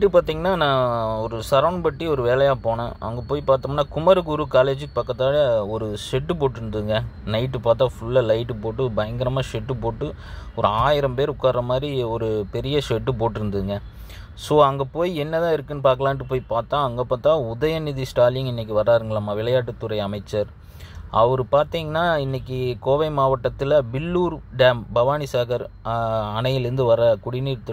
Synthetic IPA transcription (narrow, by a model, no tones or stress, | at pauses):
ʈːɯpaːɾt̪iːŋɡɐnːaːnãːɔɾɯsɐɾɐːɳpɐʈːiɔɾɯʋeːlɐjaːpoːɳɐ̃ʔɐ̰ŋɡɐpoːjipaːɾt̪ɯmnːaːkʊmɐɾɯkːuɾukaːleːd͡ʒɯkːɯpɐkːɐt̪ːaːlɐɔɾɯʂɛʈːɯpoːʈːɯɾɯnd̪ɯðɯŋɡɐnɐɪʈːɯpaːɾt̪ːaːfʊɭːɐlɐɪʈːɯpoːʈːɯbɐjɐŋɡɐɾɐmaːʂɛʈːɯpoːʈːɯ | ɔɾɯaːjɪɾɐmpeːɾʊkːaːɾrɐmaːd̪ɾiɔɾɯpɛɾɪjɐʂɛʈːɯpoːʈːɪɾɯnd̪ɯðɯŋɡɐ | soːɐŋɡɐpoːjiɛnːɐðãːɪɾɯkːɯnːɯpaːɾk̬ɐlãːnʈːɯpoːjpaːɾt̪ãːɐŋɡɐpːaːt̪ãːʊðɐjɐnɪðisʈaːlɪŋɪnːɛk̬ʲːiʋɐɾːaːɾɯŋɡɐlɐmːaːʋɪlɐjaːʈːɯt̪ːʊɾɐɪɐmɐɪt͡ʃːɐɾ | ɐʋɐɾɯpaːɾt̪iːŋɡɐnːaːɪnːɛkʲːikoːʋɐɪmaːʋɐʈːɐt̪ːɪlɐbɪlːuːɾɖɛːmbɐʋaːnisaːɣɐɾ | ɐɳɐjɪlɪɾɯnd̪ɯʋɐɾɐkʊɽɪnɾɯt̪ːɯ